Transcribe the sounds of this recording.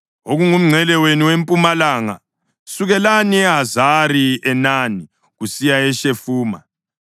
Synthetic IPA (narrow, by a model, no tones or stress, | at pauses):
oɣuŋum̩ŋ͡ǀʱɛlɛweniwempʼumalaːŋa̰ | suɣɛlaniɛɦazaɾiɛnani | ɣusijaɛʃefuːma̰